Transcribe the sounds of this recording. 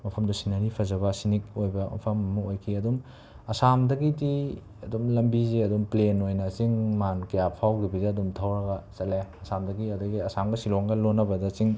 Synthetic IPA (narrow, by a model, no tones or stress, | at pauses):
mɐpʰɐmdusinɐɾipʰɐzɐbɐsinik̚ojbɐmɐ̰pʰɐmɐmuojkʰiɐdum | ɐsamdɐɡidi | ɐdumlɐmbizeɐdumplenojnɐt͡ʃiŋmankɐjapʰawɡibidɐɐdumtʰawɾɐɡɐt͡ʃɐleɐsamdɐɡiɐdɐɡiɐsamɡɐsiloŋɡɐlonːɐbɐdɐt͡ʃiŋ